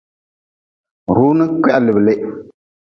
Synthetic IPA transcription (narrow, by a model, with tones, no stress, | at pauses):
ɾuː˦nɨ˦kɛ˦ʔa˨lɪ˨bɨ˨lɪ˦